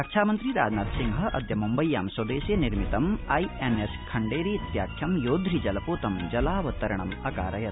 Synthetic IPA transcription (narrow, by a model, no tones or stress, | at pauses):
ɐkʂaːmɐnt̪ɾiɾa̰ːd͡ʒnaːt̪siŋɡɦɐ̆ʔɐ̰d̪ʱjɐmumbɐjːa̰ːmsɐd̪eːseniɾmit̪ɐmɐjeneskʰɐɳɖeːɾiit̪ja̰ːkʰjɐmjoːd̪ʱɾid͡ʒɐlɐpoːt̪ɐmd͡ʒɐlaːʋɐt̪ːɐɾɐɳɐmɐka̰ːɾɐjɐt̪